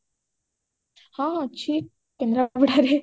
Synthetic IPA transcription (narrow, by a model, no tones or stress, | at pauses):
hãːɐtːt͡ʃʰi | kend̪ɾɐbiɽaːɾe